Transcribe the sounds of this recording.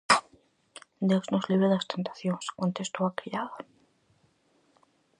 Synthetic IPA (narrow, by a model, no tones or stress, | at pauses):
d̪eznozliβeðast̪ent̪ḁθjonskwont̪est̪oakejaðo